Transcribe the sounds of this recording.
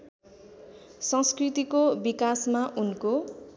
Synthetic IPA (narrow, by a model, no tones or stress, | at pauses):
sʌ̃skrit̪ikobikasmaʔunko